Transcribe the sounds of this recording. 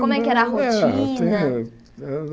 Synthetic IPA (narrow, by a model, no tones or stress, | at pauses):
kõmɛkɛɾaɦot͡ʃĩnɐ